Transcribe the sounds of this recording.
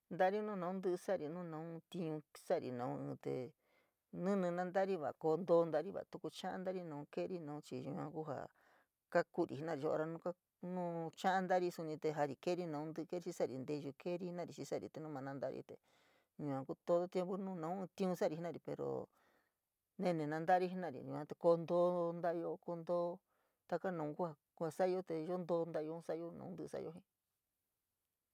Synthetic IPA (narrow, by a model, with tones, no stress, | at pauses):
nd̪a˦ɾi˦nũː˦nã˧˦ũ˦nd̪ɨ˦ʔsa˦ɾi˨nũ˦˧nã˧˦ũ˦t̪i˧ɲũ˧sa˦˨ɾḭ˨nã˨ũ˧ɨ̃ː˧t̪ḛ˧ | nɨ̃˦nɨ̃˧nã˦nd̪a˦ɾi˦βa̰˨ʔko˧nd̪o˧nd̪a˧ɾi˦βa̰˨t̪u˧ku˧t͡ʃã˦ʔã̰˦nd̪a˦ɾi˧nã˧ũ˧ke˦˧ɾi˦˧nã˧˨ũ˦t͡ʃi˧ɲũ˧ã̰˧ku˦ɦa̰˨ | ka˦ku˦ɾi˨i˧˦nã˦˨i˧o˧ʔo̰˧ɾa˧nũ˦˧ka˦ | nũː˦t͡ʃã˦ʔã˦˧nd̪a˦ɾi˧su˧nĩ˧t̪e˧ɦa˧ɾi˧ke˦ɾi˦nã˧ũ˦nd̪ɨ˧ke˦ɾi˧t͡ʃi˧˦sa˦˨ɾi˨˧nd̪e˧ʒu˧kʰe˦ɾi˧˦i˦nã˦˧ɾi˧t͡ʃi˧sa˦˨ɾḭ˨t̪e˨˧nũ˦mã˧nã˧nd̪a˦ɾḭ˧t̪ḛ˧ | ɲũ˧ã˧ku˦t̪o˧ðo˦t̪je˧mbu˦nũː˦˧nã˧ũ˦˧t̪ĩ˧ũ˧sa˦˧ɾi˧i˦nã˧ɾi˨pḛ˨ɾo̰˨ | nẽ˧nẽ˨nã˧nd̪a˦˧ɾi˦i˦nã˦˨ɾḭ˨ɲṵ̃˨ã˧t̪e˧ko˧nd̪o˧˦nd̪a˦˧jo˧ko˧nd̪oː˧˦ | t̪a˧ka˦nã˨˦˧ku˦a˦˧ku˧a˧sa˦˧jo˧t̪e˧ʒo˦nd̪o˧nd̪a˧jo˧˦sa˦ʔo˦nã̰ː˨˧˦nd̪ɨ˧sa̰˦˧jo˦ɦĩ˧